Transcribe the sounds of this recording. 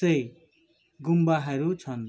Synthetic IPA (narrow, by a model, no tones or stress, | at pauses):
ʌj | ɡumbaɦʌɾut͡sʰʌn